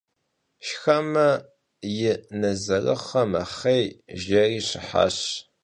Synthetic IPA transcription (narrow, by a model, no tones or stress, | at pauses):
ʃxɐmɐ | jɪnɐzɐrɨ̰χɐmɐ̰χejʒɐriːɕɪħa̰ːɕ